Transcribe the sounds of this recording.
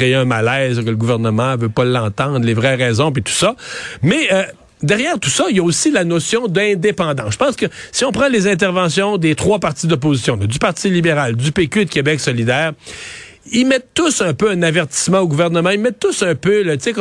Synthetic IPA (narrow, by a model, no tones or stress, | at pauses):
ejeɛ̃malɛzkələɡuvɛʁnəmɑ̃vøpʌlːɑ̃ːt̪ɑ̃ːd̪ʁlevʁɛʁɛːzɔ̃p̬it̪u̥sʌmɛ | d̪ɛʁjɛːʁt̪u̥sʌiljaosilanosjɔ̃d̪ɛ̃d̪epɑ̃ːd̪ɑ̃sʒ̥əpɑ̃ːskəsiɔ̃pχɑ̃lezɛ̃t̪̬ɛʁvɑ̃sjɔ̃d̪et̪χwapaʁt̪id̪ɔp̬ozisjɔ̃lɔd̪ypaʁt̪ilibeʁald̪ypekʲyd̪kʲebɛksɔlid̪ɛːʁ | imɛt̪ːʊsœ̃pøɛ̃navɛʁt̪i̥smɑ̃oɡuvɛʁnəmɑ̃imɛt̪ːʊsœ̃pølət̪sek